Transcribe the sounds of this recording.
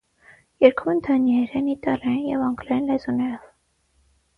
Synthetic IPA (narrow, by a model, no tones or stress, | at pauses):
jɛɾkʰɔmənd̪ʰɑnjɛɾɛnit̪ɑlɑjinjɛvɑŋɡlɑjinlɛzɔnɛɾɔv